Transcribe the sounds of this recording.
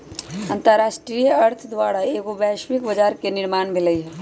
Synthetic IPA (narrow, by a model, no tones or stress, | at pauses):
ɐ̃nt̪əɾaːʃʈɾijəɐɾt̪ʰd̪ʋaːɽaeːkobɛːʃʋikbɐd͡ʒaːɾkenɪɾmaːɳbʱiləiɦɛː